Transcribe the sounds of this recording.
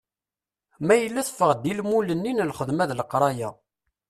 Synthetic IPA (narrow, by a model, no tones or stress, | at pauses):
mæjəlːæθfəʁd̪ilmulənːinlχəðmæðləqɾˤɑjæ